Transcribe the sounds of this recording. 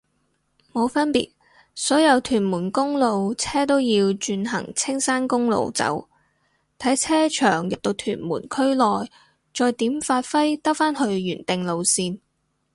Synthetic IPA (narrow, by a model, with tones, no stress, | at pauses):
mo˨˧wfɐ˥npḭː˨t̚ | sɔː˨˥jɐ˨˧wt̪ʰyː˨˩nmuː˨˩nkʊ˥ŋlo˨˧wt͡sʰɛː˥t̪o˥wjiː˧wt͡ʃyː˧nɦɐ̰˨˩ŋt͡sʰɪ˥ŋsaː˥nkʊ˥ŋlo̰˨˧wt͡sɐ̰˨˥w | t̪ʰɐ˨˥jt͡sʰɛː˥t͡ʃʰœ̰ː˨˩ŋjɐ˨˩p̚t̪o˧wt̪ʰyː˨˩nmuː˨˩nkʰɵ˥ɥlɔː˨j | t͡ʃɔː˧jt̪iː˨˥mfaː˧t̚fɐ˥jt̪ɐ˥kfaː˥nhɵ˧ɥːyː˨˩nt̪ɪ˨ŋlo˨˧wsiː˧n